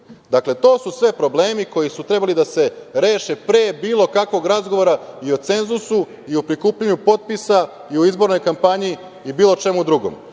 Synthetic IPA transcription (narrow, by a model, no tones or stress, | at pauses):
d̪akle̞t̪o̞ːsusʋe̞pɾo̞bleːmiko̞jisut̪ɾe̞balid̪ase̞ɾe̞ːʃepɾe̞biːlˠo̞kakʋo̞ɡɾazɡo̞ʋo̞ɾaio̞t̪se̞nzusu | iupɾikuːpʎaɲupo̞t̪̚pisa | iuizbo̞ɾno̞jkampaɲiː | biːlˠot͡ʃe̞mud̪ɾuɡo̰m